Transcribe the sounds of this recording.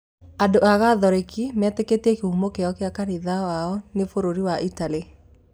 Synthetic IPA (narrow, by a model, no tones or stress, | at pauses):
andoaɣaðɔɾekimɛtɛketiɛkeumokeɔkjakaniðawaɔnefoɾoɾiwaʔitali